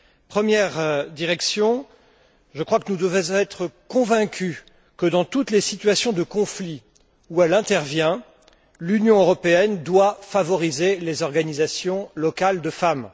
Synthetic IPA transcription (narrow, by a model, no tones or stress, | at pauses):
pχəmjɛʁd̪iʁɛksjɔ̃ | ʒəkχwakənud̪əvɛ̃z̃ɛt̪χəkɔ̃vɛ̃kʲʰy | kəd̪ɑ̃t̪ut̪lesit̪ɥasjɔ̃d̪əkɔ̃fli | uɛlɛ̃t̪ɛʁvjɛ̃ | lynjɔ̃øʁɔpeɛnd̪wafavɔʁizelezɔʁɡanizasjɔ̃lɔkald̪əfam